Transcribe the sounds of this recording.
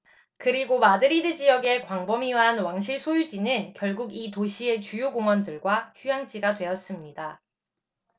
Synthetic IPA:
kɯɾiɡomadɯɾidɯd͡ʑijʌɡe̞kwaŋbʌmiɦanwaŋɕ̬ʰiɭsʰojud͡ʑinɯnkjʌɭɡuɡitoɕʰie̞t͡ɕujoɡoŋwʌndɯɭɡwaçujaŋt͡ɕiɡadwe̞ʌs͈ɯmɲida

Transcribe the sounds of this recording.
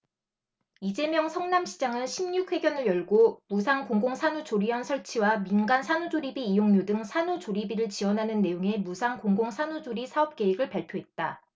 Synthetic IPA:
id͡ʑe̞mjʌŋsʰʌŋnamɕʰi̥d͡ʑaŋɯnɕʰimɲuk̚ʰwe̞ɡjʌnɯɭjʌɭɡomusʰaŋkoŋɡoŋsʰanut͡ɕoɾiʌnsʰʌɭt͡ɕʰiwaminɡansʰanud͡ʑoɾibiːjoŋɲodɯŋsʰanut͡ɕoɾibiɾɯɭt͡ɕiwʌnɦanɯnːe̞joŋe̞musʰaŋkoŋɡoŋsʰanud͡ʑoɾisʰaʌp̚k͈e̞iɡɯɭpaɭpʰjoɦe̞t̚t͈a

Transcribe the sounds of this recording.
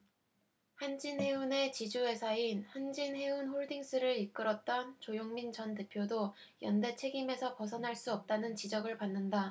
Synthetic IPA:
hand͡ʑinhe̞une̞t͡ɕid͡ʑue̞sʰainhand͡ʑinɦe̞unɸoɭdiŋs͈ɯɾɯɾik͈ɯɾʌt̚t͈ʌnt͡ɕojoŋmint͡ɕʌnte̞pʰjodo | jʌnde̞t͡ɕʰe̞ɡime̞sʰʌpʌsʰʌnɦaɭs͈uʌp̚t͈anɯnt͡ɕid͡ʑʌɡɯɭpanːɯnda

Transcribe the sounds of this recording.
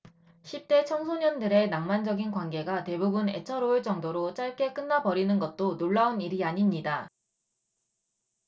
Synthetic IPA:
ɕʰip̚t͈e̞t͡ɕʰʌŋsʰoɲʌndɯɾe̞naŋmand͡ʑʌɡinkwanɡe̞ɡate̞bubune̞̰t͡ɕʰʌɾoɯɭt͡ɕ͈ʌŋdoɾot͡ɕ͈aɭk͈e̞k͈ɯnːabʌɾinɯnɡʌt̚t͈onoɭːauniɾiaɲimɲida

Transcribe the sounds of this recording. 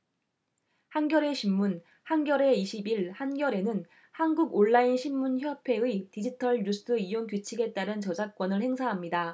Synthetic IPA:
hanɡjʌɾe̞ɕʰimːun | hanɡjʌɾe̞iɕʰibiɭhanɡjʌɾe̞nɯn | hanɡuɡoɭːainɕʰimːunçjʌpʰe̞itid͡ʑitʰʌɭɲus͈ɯijonkut͡ɕʰiɡe̞t͈aɾɯnt͡ɕʌd͡ʑak̚k͈ʌnɯɭhe̞ŋsʰaɦamɲida

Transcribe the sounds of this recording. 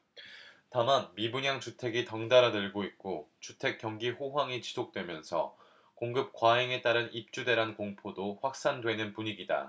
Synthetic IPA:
tamanmibuɲaŋt͡ɕutʰe̞ɡitʌŋdaɾadɯɭɡoit̚k͈ot͡ɕutʰe̞k͈ːjʌŋɡiɸoɦwaŋit͡ɕi̥sʰok̚t͈we̞mjʌnsʰʌ̰ | koŋɡɯp̚kwaɦeŋe̞t͈aɾɯnip̚t͡ɕ͈ude̞ɾɦankoŋpʰodoɸwak̚s͈andwe̞nɯnpuɲiɡida̰

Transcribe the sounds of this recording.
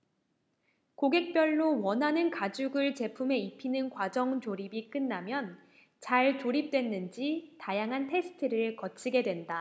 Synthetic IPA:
koɡe̞k̚p͈jʌɭːowʌnɦanɯnkad͡ʑuɡɯɭt͡ɕe̞pʰume̞ipʰinɯnkwad͡ʑʌŋt͡ɕoɾibik͈ɯnːamjʌn | t͡ɕaɭtoɾip̚t͈we̞nːɯnd͡ʑitajaŋɦantʰe̞sʰɯ̥tʰɯɾɯɭkʌt͡ɕʰiɡe̞dwe̞nda

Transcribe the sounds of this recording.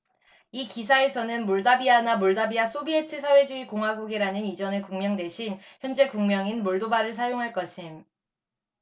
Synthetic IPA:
ikisʰae̞sʰʌnɯnmuɭdabianamuɭdabias͈obie̞tʰɯsʰawe̞d͡ʑuikoŋɦwaɡuɡiɾanɯnid͡ʑʌnekuŋmjʌŋde̞ɕʰinçjʌnd͡ʑe̞kuŋmjʌŋinmoɭdobaɾɯɭs̬ʰajoŋɦaɭk͈ʌɕʰim

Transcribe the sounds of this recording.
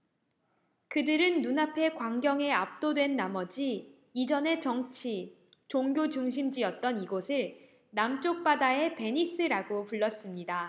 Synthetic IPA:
kɯdɯɾɯnːunapʰe̞kwaŋɡjʌŋe̞ap̚t͈odwe̞nːamʌd͡ʑiː | d͡ʑʌne̞t͡ɕʌŋt͡ɕʰi | t͡ɕoŋɡʲjot͡ɕuŋɕ̬ʰimd͡ʑiʌt̚t͈ʌniɡosʰɯɭ | namt͡ɕ͈ok̚p͈adae̞pe̞ɲis͈ʰɯɾaɡopuɭːʌs͈ɯmɲida

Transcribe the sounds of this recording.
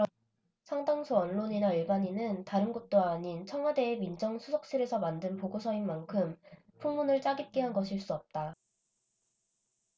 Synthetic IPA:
sʰaŋdaŋsʰuʌnɭoɲinaiɭbaɲinɯntaɾɯnɡot͈oaɲint͡ɕʰʌŋɦwade̞ːmind͡ʑʌŋsʰusʰʌk̚s͈ɯɾe̞sʰʌmandɯnpoɡosʰʌinmankʰɯm | pʰuŋmunɯɭt͡ɕ͈aɡik͈eɦanɡʌɕʰiɭs͈uʌp̚t͈a

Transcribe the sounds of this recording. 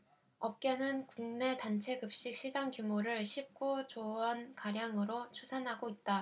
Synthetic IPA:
ʌp̚k͈e̞nɯnkuŋne̞tant͡ɕʰe̞ɡɯp̚ɕ͈ik̚ɕ͈ʰid͡ʑaŋkjumoɾɯɭɕʰip̚k͈ut͡ɕoʌnkaɾjaŋɯɾot͡ɕʰusʰanɦaɡoit̚t͈a

